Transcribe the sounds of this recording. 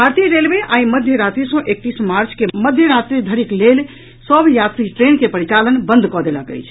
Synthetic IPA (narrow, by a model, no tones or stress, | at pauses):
bʱaɾt̪ijɾelbeʔaiməd̪ʱjəɾat̪ɾisə̃ʔek̚t̪ismaɾt͡ʃkeməd̪ʱjəɾat̪ɾid̪ʱəɾiklel | səbʱjat̪ɾiʈɾenkepəɾit͡ʃalənbənd̪ʱkɔd̪elə̰kə̰jt͡ʃʰ